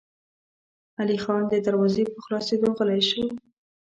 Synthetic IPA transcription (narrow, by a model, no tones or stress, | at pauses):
alixɑnd̪əd̪aɾwɑzepəxlɑsed̪oɣəlajʃə